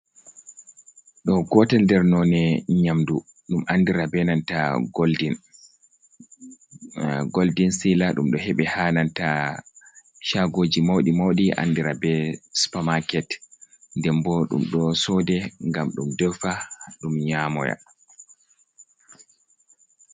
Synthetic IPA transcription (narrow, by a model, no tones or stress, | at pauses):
ɗɔɡɔtandɛɾnɔnɛɲamdu | ɗumʔandiɾabɛnantaɡldin | ɡoldinsilaɗumɗɔhɛɓɛhananta | ʃaɡoːd͡ʒimawɗimawɗiʔa̰ndiɾabɛsu̥pamakɛt | ndɛmbɔɗṵmɗɔsɔdɛŋɡamɗumdɛfaɗumɲamɔja̰